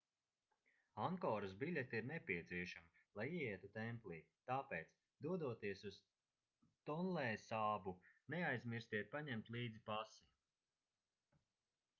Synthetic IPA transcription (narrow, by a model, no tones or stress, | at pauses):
aŋkɔːɾasbilʲɛt̪iiɾnɛpʲiɛt̪siɛʃami | lˠajiɛiɛt̪ut̪ɛmplˠiːt̪aːpɛːt̪s | d̪uɔd̪uɔt̪iɛsuz̥ | t̪ɔnlɛːsaːbunɛajzmiɾst̪iɾpaɲɛmt̪liːd̪zipasi